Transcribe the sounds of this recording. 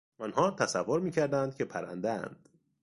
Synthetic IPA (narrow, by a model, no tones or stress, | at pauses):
ɒnɦɒːt̪ʰæsævːoɾmiːcʰæɾd̪ænd̪̥̚kcʰe̞pʰæɾæ̰nd̪ææ̰nd̪̥